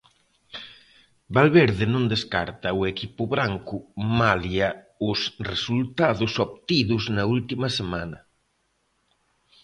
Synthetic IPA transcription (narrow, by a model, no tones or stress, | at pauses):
balβeɾðenõnd̪eska̰ɾt̪ɐʊekipʊβɾaŋkʊmalja | ʊsresult̪aðʊsopt̪iðʊznɐult̪imɐsemanɐ